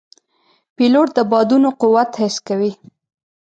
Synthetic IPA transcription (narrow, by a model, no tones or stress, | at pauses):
piloʈ̚d̪əbɑd̪unoqʊwat̪hɪskawi